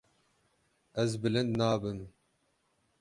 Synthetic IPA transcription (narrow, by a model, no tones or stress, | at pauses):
ɛzbɨlɨnd̪nɑːbɨm